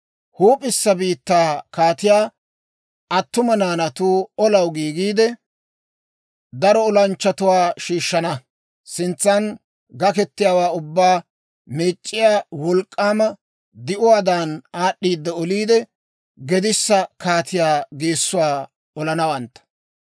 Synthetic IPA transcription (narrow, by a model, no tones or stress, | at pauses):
huːpʼɪsːɐbiːt̪ːaːkaːt̪ɪjaː | ʔɐt̪ːʊmɐnaːnɐt̪uːɔlɐwɡiːɡiːd̪ɛ | d̪ɐɾɔɔlɐnt͡ʃːɐt̪ʊwaːʃiːʃːɐnɐ | sɪnt͡sːɐn | ɡɐkɛt̪ːɪjaːwaːʊbːaː | meːt͡ʃʼːɪjaːwɔlkʼːaːmɐ | d̪ɪʔʊwaːd̪aːnaːɗːiːd̪ːɛɔliːd̪ɛ | ɡɛd̪ɪsːɐkaːt̪ʰɪjaːɡeːsːʊwaː | ɔlɐnɐwɐnt̪ːɐ̥